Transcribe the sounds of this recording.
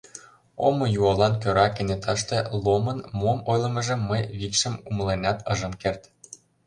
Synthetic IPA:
omŏjuɑlɑnkøɾɑkenet̪ɑʃt̪ĕlomɤnmomojlɤ̆mɤ̆ʒə̆mːəjβikʃə̆muməlenʲɑt̪ɤʒə̆mkert̪

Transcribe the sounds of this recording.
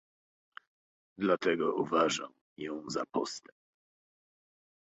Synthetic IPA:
d̪lat̪ɛɡɔuvaʐa̰m | jɔ̃w̃za̰pɔst̪ɛmp

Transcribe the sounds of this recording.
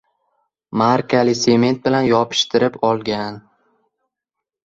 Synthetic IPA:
maɾkʲʰalɪse̞me̞nt̪̚bɪlanjɒpʰɪ̥ʃt̪ʰɪɾɪpɒlˠɡʲan

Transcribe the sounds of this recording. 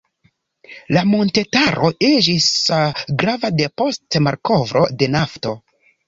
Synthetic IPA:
lamo̞nte̞taɾʔo̞ʔid͡ʒisɡɾavade̞po̞stmaɾko̞vɾo̞de̞nafto̞

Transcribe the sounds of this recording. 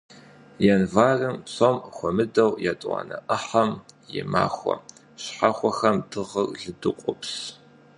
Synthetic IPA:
jɛnvaːrɨmsomxʷɔmɨdɐwjatʼwa̰ːnɐʔɐħɐmjɪ̰ma̰ːxʷɔɐ̰ | ɕħaxʷɔxɐmdɨʁɐrɮɨdɨqʷʼʊps

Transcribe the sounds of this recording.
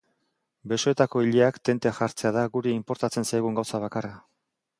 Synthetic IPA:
be̞so̞e̞t̪ako̞iʎeakt̪e̞nt̪e̞xaɾt͡se̞aðaɣuɾeimpo̞ɾt̪at͡se̞nsajɣ̞uŋɡawsaβ̞akara

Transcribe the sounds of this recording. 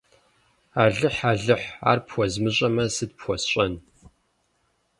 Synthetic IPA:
aːɮɨħaːɮɨħa̰ːrpxʷɔzmɨɕʼɐmɐsɨd̚pxʷɔsɕʼɐn

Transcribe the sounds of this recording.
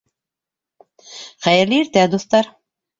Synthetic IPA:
χæjɘ̆ɾlɘiɾt̪æd̪uθt̪ɑɾ

